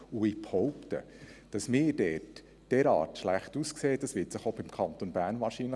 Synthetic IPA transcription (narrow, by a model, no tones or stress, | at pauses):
uɪphɔʊptə̰ | d̥ɑsmɪːɾd̥ɛːt | d̥ɛɾɑ̰ːtʃlæχtuskseːt̚d̥ɑsʋɪːtsɪχobɪmkʰɑnt̪onbæːɾnʋɑːɾʃinlə